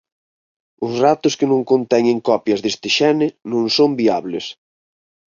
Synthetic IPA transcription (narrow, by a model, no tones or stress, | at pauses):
ʊzrat̪ʊskɪnõŋkont̪ɛɲẽŋkɔpjɐzðest̪ɪʃɛnɪnõŋsombiaβlɪs